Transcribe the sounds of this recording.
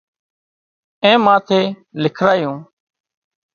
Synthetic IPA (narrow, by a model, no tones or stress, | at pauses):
ẽːmãːt̪ʰeː | lɪkʰɾaːjũː